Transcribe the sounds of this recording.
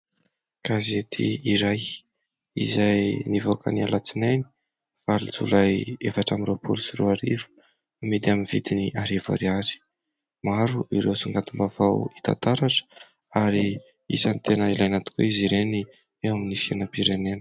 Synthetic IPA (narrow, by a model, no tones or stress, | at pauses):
kazet̪ʰḭiɾaj | ḭzajnivokə̰nia̰lat͡sinejni̥ | v̥alḭd͡zṵlajefaʈ͡ʂamiɾopʰṵlusiruaɾivə̥ | med̪iaminvid̪iniʔaɾiva̰ɾiaɾi̥ | maɾuʔiɾewsuŋɡant̪umbavawit̪a̰nt̪aɾaʈ͡ʂə̥ | aɾi | ḭsant̪enəilajanat̪u̥kṵiziɾeni | ewaminifianəpiɾenenə̥